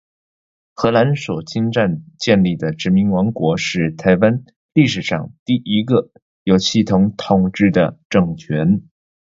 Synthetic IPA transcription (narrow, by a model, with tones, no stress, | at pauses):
xɤ˧˥la˧˥nswɔ˨˩t͡ɕʰi˥ŋʈ͡ʂa˥˧nt͡ɕjɛ˥˧nli˥˩d̪ə˩ʈ͡ʂɻ̩˧˥mi˧˥ŋwɑ˧˥ŋkwɔ˧˥ʂɻ̩˥˩t̪ʰa˧˥ɪwa˥n | li˥˩ʂɻ̩˨˩ʂɑ̰˥˧ŋt̪i˥˩ʔi˧˥ɡə˧ | jo˨˩ʊɕi˥˩t̪ʰʊ˧˥ŋt̪ʰʊ˨˩ŋʈ͡ʂɻ̩˥˩d̪ə̰˨ʈ͡ʂɤ˥˩ŋt͡ɕʰɥɛ˧˥n